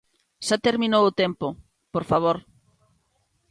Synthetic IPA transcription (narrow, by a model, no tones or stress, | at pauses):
ʃat̪eɾmĩnowʊt̪empʊ | poɾfaβ̞oɾ